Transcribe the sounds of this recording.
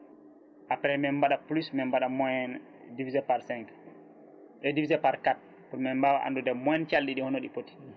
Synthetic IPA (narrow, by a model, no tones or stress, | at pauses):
ʔapɾɛmɛmbaɗaplusmɛmbaɗamɔɛn | divizɛpaɾsɛŋk | ɗɛdivizɛpaɾkat̚ | pumɛmbawaʔa̰ndudɛmɔjɛnt͡ʃalɗiɗihɔnoɗipoti̥